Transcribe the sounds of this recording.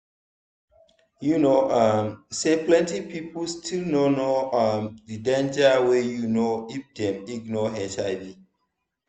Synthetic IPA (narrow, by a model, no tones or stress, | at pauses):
junoʔʌmseplɛ̃ntipiplstʰilnonoamdidẽnd͡ʒawejunoifdɛ̃miɡnɔɦɛt͡ʃaɪvi